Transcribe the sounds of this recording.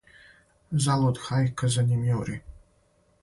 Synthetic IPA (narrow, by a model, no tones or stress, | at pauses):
zalˠod̪xajkʰəzanimjowɾi